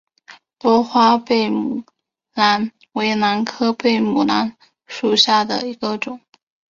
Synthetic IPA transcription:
pwɔ˥xwa˥pe˥˩ɪm˨˩ | na˧˥n | we˧˥ɪna˧˥nkʰɤ˥pe˥˩ɪmu˨˩na˧˥n | ʂu˨˩ɕja˥˩d̪ə̰˩i˧˥ɡə˧ʈ͡ʂʊ˨˩˦ŋ

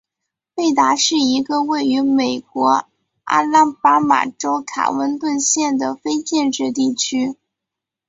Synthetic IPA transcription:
pe˥˩ɪt̪a˧˥ʂɻ̩˥˩i˧˥ɡə˧we˥˩ɪy˧˥me˨˩ɪkwɔ˧˥ | a̰˥˧la˥˩pa˥ma̰˨˩ʈ͡ʂo˥ʊkʰa̰˨˩wə˧˥nt̪wə˥˧nɕjɛ˥˩nd̪ə˩fe˥ɪt͡ɕjɛ˥˧nʈ͡ʂɻ̩˥˧t̪i˥˩t͡ɕʰy˥

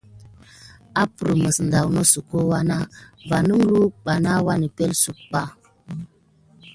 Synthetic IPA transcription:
a˦pu˨ɾmə˨sn̩da˨wno˦su˨ko˦wa˦na˦va˨nu˦ŋ˦lu˦ɓa˨na˦wa˦ni˨pe˦lsu˨k̚k͡pa˦˨

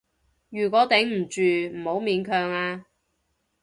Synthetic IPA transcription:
jyː˨˩kʷɔː˨˧˥t̪ɛ˨˥ŋm̩˨˩t͡ʃyː˨m̩˨˩ho˨˥wmiː˨˧nkʰœː˧ŋaː˧

